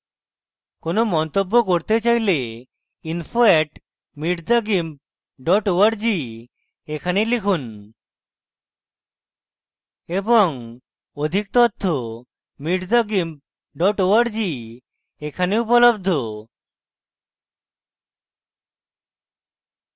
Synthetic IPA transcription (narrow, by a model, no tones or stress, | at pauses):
konomɔnt̪obːokoɾt̪et͡ɕajle | infʰoeʈ | miɖd̪aɡim | ɖɔʈoaɾd͡ʑi | ekʰanelikʰun | eboŋ | od̪ʱik̚t̪ɔt̪ʰːo | miɖd̪aɡim | ɖɔʈoaɾd͡ʑi | ekʰaneupolobd̪ʱo